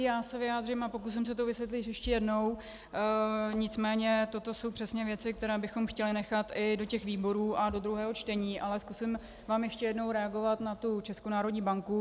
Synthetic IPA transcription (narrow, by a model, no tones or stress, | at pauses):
jaːsɛvɪjaːd̪r̝ɪmapo̞kus̬ɪms̬ɛt̪̬ovɪsvjɛt̪lɪjɛʃcɛjɛdno̞w | ɲɪt͡smɛːɲɛt̪o̞t̪o̞so̞wpr̥ɛsɲɛvjɛt͡sɪk̚t̪ɛɾɛːbɪxo̞mxcɛlɪnɛxat̪ʔɪdo̞cɛxviːbo̞ɾuːʔado̞d̪ɾuɦɛːɦo̞t͡ʃt̪ɛɲiːʔalɛskusɪm | vaːmjɛʃcɛjɛdno̞wɾɛaɡo̞vat̪nat̪ut͡ʃɛskonaːɾo̞dɲiːbaŋku